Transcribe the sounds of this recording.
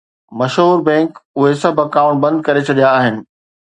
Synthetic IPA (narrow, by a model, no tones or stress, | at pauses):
mɐʃɦuːɾbɛ̃ːŋkʊɦesɐbʱɐkãːʊ̃ɳʈ̚bɐ̃nd̪̚kɐɾet͡ɕʰɐɗijaːɦɪnɪ̆